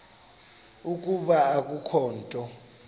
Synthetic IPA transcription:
uk̬ʼuɓaːk̬ʼukʰɔːntʼɔ

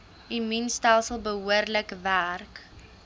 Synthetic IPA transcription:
iminstɛlˠsəlˠbəɦuərləkværk

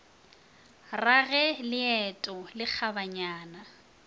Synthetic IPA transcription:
raɣɛlɪɛtʼɔlɪk͡xʰabaɲaːna

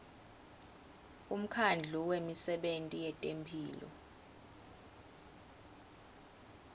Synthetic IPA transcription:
um̩kʰand͡ɮʱuwemisɛɓentʼijɛtʼempʰiːlɔ̰

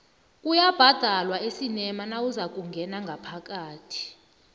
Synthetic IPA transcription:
kʼujab̥ʱad̥ʱalwaesinɛmanawuzak̬ʼuŋɡʱɛnaŋɡʱapʰak̬ʼaːtʰi̥

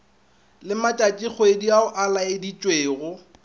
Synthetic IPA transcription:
lɪmat͡ʃʼat͡ʃʼik͡xɔediaʊʔalaedit͡ʃʼweːɣʊ

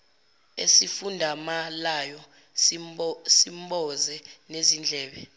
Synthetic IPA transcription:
ḛsifundʱamalajɔ | simɓɔzɛnezind͡ɮʱɛːɓɛ

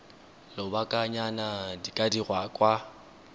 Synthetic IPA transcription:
lɔbakʼaɲanadikʼadirwakʼwa

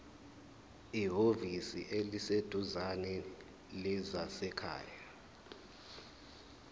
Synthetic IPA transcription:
iɦovisiʔelised̥ʱuzanɛ | lizasɛkʰa̰ːja

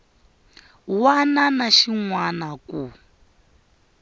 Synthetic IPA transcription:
wananaʃiŋwanaku

